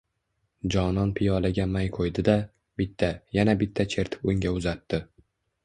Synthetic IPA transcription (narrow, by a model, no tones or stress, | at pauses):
d͡ʒɒnɒnpʰɪjɒlaɡʲamajqʰojd̪ɪd̪a | bɪt̪ʰːajanabɪt̪ʰːat͡ʃʰe̞ɾt̪ʰɪ̥pʊŋɡʲaʊzat̪ʰːɪ